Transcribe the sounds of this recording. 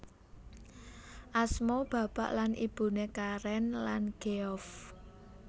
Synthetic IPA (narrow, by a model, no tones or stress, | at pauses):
ʔasmɔb̥ä̤b̥aʔlanḭb̥ṳnekaɾɛnlanɡ̥eɔf